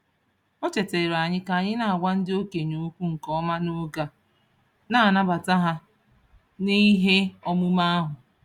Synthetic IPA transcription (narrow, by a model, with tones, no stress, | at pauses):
ɔ˦t͡ʃe˨te˨ɾa˨ɲɪ˦ka˨a˨ɲɪ˦na˨a˨ɡʷa˦n̩˦dɪ˦o˦ke˨ɲu˨˦kʷu˦ŋ̩˨kɔ˦ma˦nʊ˦ɡa˦ | na˦˨a˨na˦ba˨ta˦ɦa˦ | ni˦ɦe˦ɔ˦mʊ˦ma˦a˦ɦʊ˨